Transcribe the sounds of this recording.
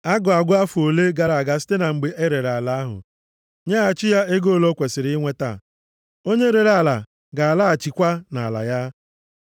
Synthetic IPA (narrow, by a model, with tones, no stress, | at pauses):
a˦ɡʊ˨a˨ɡʷʊ˦a˦fʊ˨o˨le˦ɡa˨ɾa˨ɡa˨si̥˦te˦na˨ŋ͡m̩˨ɡ͡be˨ʔe˦ɾe˨ɾa˨la˨a˦ɦʊ̰˨ | ɲa˦a˨t͡ʃɪ˦ja˦e˦ɡo˦˨lo˦kʷe˨sɪ˨ɾɪ˦ŋʷe˦ta̰˦˨ | o˦ɲe˦ɾe˨ɾa˨la˨ | ɡa˨a˨la˦a˨t͡ʃi˨kʷa˦na̰˨la̰˨ja˦